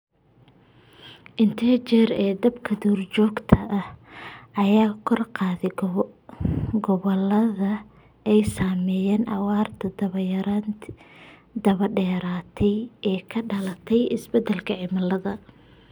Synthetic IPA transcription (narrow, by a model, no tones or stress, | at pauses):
ʔɪnt̪ʰɛt͡ʃɛrɛːd̪ɐbkʰɐd̪ɔːrt͡ʃɔːɡt̪ʰɐʔɐhɐjaːkʰɔrqɑːðɛ | ɡɔβɐlɐðɐ | ɛjsaːmɛːjɛːnʔɑwɑːrt̪ʰɐd̪ɐβɐjɐɾan | d̪ɐβɐɖɛːɾaːt̪ʰɛjɛːkʰɐɖɐlɐt̪ʰɛjɪsbɛd̪ɛlkʰɐʕɪmɐlɐðɐ